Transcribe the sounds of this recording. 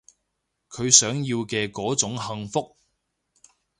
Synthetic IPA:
kʰɵ˨˧ɥsœː˨˥ŋjiː˧wkɛː˧kɔː˨˥t͡sʊ˨˥ŋhɐ˧ŋfʊ˥k̚

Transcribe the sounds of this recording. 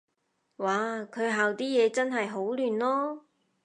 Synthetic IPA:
waː˨˩kʰɵ˨˧ɥɦaː˨wt̪iː˥jɛː˨˧t͡sɐ˥nɦɐ˨jɦo˨˥wlyː˨˩nlɔː˥

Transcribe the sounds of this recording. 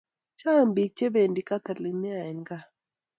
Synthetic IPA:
t͡ʃa˦˨mbi˨t͡ʃe˦be˨ndi˨ka˦t̪a˨li˨mɛ˦a˨ɛ˨ŋ˦ɡa˦

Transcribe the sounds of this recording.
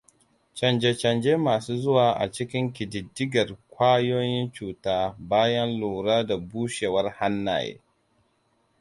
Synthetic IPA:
t͡ʃɐ˨nd͡ʒe˨t͡ʃɐ˨nd͡ʒeː˦maː˨suː˦zʊ˦waː˨ʔa̰˨t͡ʃɪ˦kʲɪ˦ŋkʲɪ˨dɪ˨dːɪ˦ɡɐ˨rkʷaː˦joː˦jɪ˦nt͡ʃuː˨taː˦baː˦jɐ˦nluː˨ɾaː˦da˨buː˦ʃe˨wɐ˦rha˦nːa̰ː˨jḛː˦

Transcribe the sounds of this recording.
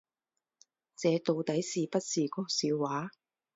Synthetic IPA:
t͡sɛː˨˧t̪o˨˧wt̪ɐ˨˥jsiː˨pɐ˥t̚siː˨kɔː˥siː˨˧wwaː˨˥

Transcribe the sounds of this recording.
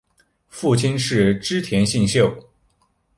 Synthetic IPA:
fu˥˩t͡ɕʰi˥nʂɻ̩˥˩ʈ͡ʂɻ̩˥t̪ʰjɛ˧˥nɕi˥˧ŋɕjo˥˩ʊ

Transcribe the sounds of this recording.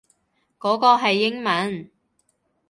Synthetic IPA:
kɔː˨˥kɔː˧ɦɐ˨jːɪ˥ŋmɐ˨˥n

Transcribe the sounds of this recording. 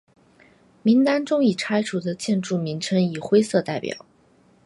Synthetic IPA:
mi˧˥ŋt̪a˥nʈ͡ʂʊ˥ŋi˨˩ʈ͡ʂʰa˥ɪʈ͡ʂʰu˨˩d̪ə˧t͡ɕjɛ˥˧nʈ͡ʂu˥˩mi˧˥ŋʈ͡ʂʰə˥ŋi˨˩xwe˥ɪsɤ˥˧t̪a˥˩ɪpjɑ̰˨˩˦ʊ

